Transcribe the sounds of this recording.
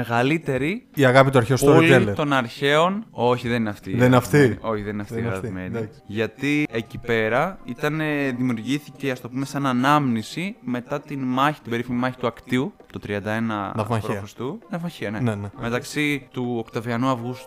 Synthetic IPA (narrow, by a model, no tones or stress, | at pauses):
meɣɐlit̪e̞ɾiiɐɣɐpit̪uɐɾçeospolelt̪o̞nɐɾçe̞o̞no̞çiðenineɐft̪iðeinɐft̪io̞çiðenineɐft̪iɣɾɐt̪ime̞ni | ʝɐt̪iecipe̞ɾɐit̪ɐneðimiuɾʝiθice̞ɐst̪o̞pumesɐnɐnɐmnisime̞t̪ɐt̪inmɐçi̥t̪ibe̞ɾifimimɐçi̥t̪uɐkt̪iut̪ot̪ɾiɐnd̪ɐe̞nɐ̰pɾofest̪unɐvmɐçiɐnenme̞t̪ɐksit̪uokt̪oviɐnuɐvɣust̪u̥